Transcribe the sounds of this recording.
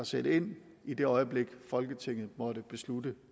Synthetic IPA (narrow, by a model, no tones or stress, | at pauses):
ɑsede̝n̰ | id̥e̝ɒ̽ɪəb̥le̝ɡ̥fɒ̽lɡ̥ət͡sʰe̝ŋ̰ð̞̩ˠmɒ̽ɾ̥əb̥e̝sludə